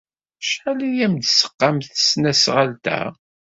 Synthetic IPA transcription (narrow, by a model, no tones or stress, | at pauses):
ʃħalijæmd̪sə̥qːɑmθə̥snæsʁəlt̪æ̰